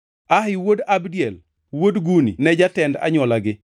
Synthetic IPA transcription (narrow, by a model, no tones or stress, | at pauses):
ahɪwodabdiɛl | wodɡuninɛd͡ʒatɛnda̰ɲɔlaɡɪ